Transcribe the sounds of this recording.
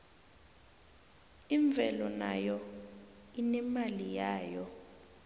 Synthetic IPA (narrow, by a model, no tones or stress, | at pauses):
iɱb̪vʱɛlɔna̰jɔ | inɛmalijaːjɔ